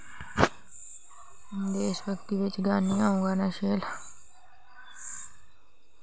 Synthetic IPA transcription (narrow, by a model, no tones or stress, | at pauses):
d̪eːʃʋəkt̪iːʋɪt͡ʃɡaːniːaːũːŋɡaːnaːʃeːl